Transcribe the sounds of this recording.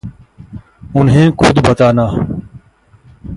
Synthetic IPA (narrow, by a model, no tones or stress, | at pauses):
ʊnɦẽːkʰʊd̪bʱət̪aːnaː